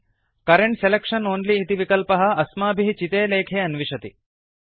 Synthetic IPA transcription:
kɐɾeɳʈselekʂɐnoːnliːt̪iʋikɐlpɐɦɐ̆ɐsmaːbʱiɦt͡ʃit̪eːleːkʰeːɐnʋiʂɐt̪i

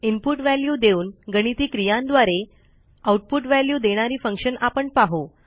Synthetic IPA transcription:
impuʈʋæljuːd̪euːnɡəɽ̃it̪iːkɾijãnd̪ʋaɾe | auʈ̚puʈʋæljuːd̪eɽ̃aɾiːfəŋkɕənapəɳpaɦo

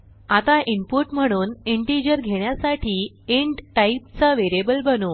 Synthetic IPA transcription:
at̪aʔimpuʈm̤əɽ̃uːneɳʈid͡ʑəɾɡʱeɳjasaʈʰiː | eɳʈʈaipt͡səʋeɾebəlbənu

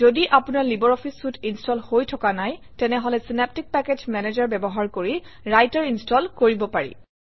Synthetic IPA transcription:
zodiʔapunaɹlibɔɹɔpʰisfutʰinstɔlhojtʰɔkanaj | tɛnɛɦɔlɛsinɛp̚tik̚pɛked͡ʒmɛned͡ʒaɹbɛbɔɦaɹkoɹi | ɹajtaɹinstɔlkoɹibɔpaɹḭ

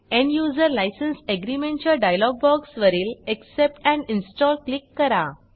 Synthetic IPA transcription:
ɛ̃ɳɖjud͡zəɾlajsənseɡɾimẽɳʈt͡ɕaɖajlɔɡ̚bɔɡsʋəɾiːleksep̚ʈɛ̃ɳinsʈɔlklikːəɾa

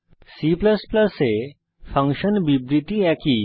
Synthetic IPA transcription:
siːplɐsplɐse | fʰɐ̃ŋkʃənbibɾiʈiɛːki

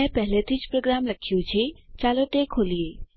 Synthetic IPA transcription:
ɛ̃pɛɦlet̪ʰit͡ʃpɾoːɡɾaːmləkʰːijut͡ʃʰet͡ʃaːloʈekʰɦoːlie

